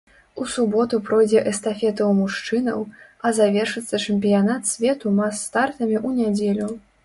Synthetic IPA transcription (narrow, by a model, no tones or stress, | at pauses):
usubɔt̪upɾɔjd͡zʲɛʔɛst̪afʲɛt̪ɐwmuʂt͡ʂɨnɐ̰wɐzavʲɛrʂɨt̪sːɐt͡ʂɨmʲpʲijanat̪sʲvʲɛt̪umasːt̪art̪ɐmʲiʔunʲad͡zʲelʲu